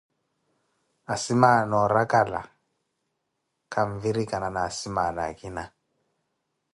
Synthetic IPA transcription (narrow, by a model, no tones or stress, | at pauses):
asimanɔɾakala̰ | kaɱviɾikananasimanakina